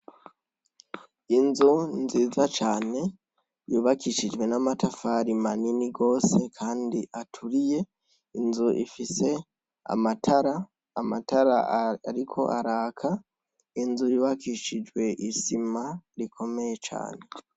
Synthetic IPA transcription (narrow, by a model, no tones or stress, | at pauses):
inzunziːzat͡ʃaːne̞ | juːβakiʃid͡ʒɡwe̞namatʰafaɾimaniniɡo̞ːse̞kʰaːndiʔatʰuɾije̞ | inzuʔifise̞ | a̰matʰaɾaː | mataɾaaɾikʰo̞̰ʔaɾaːkʰa | inzujuːβakiʃid͡ʒwe̞ʔisimaɾikʰo̞me̞je̞t͡ʃa̰ːne̞